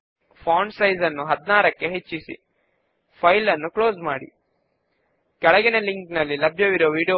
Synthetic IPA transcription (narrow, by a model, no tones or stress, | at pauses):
pʰaːnsɐjzɐnːuɦɐd̪naːɾɐkːe̞ɦet͡ʃːisḭ | pʰɐjlɐnːukɭo̞ːsmaːɽḭ | kɛɭɐɡineliŋknɐlːilɐbʱjɐʋiɾoːʋiːɽijo